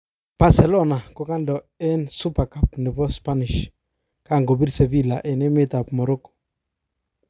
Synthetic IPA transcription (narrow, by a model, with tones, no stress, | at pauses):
b̥a˨sɛ˨lɔ˦na˨ko˦ka˦ndɔ˨ | ɛ˦nsu˦pa˨ka˨pnɪ˨bɔ˦spa˦nɪ˨ʃ | ka˦˨ŋɡo˨bi˦ɾse˨bi˦˨la˨ʔɛ˨nɛ˦mɪ˦t̪a˨pmɔ˨ɾɔ˦kɔ̥˨